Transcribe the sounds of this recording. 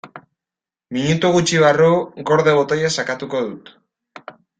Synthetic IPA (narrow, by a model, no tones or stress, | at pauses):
miɲut̪uɣut͡ʃiβ̞aruɡo̞ɾðeβ̞o̞t̪ojesakat̪uko̞ðut̪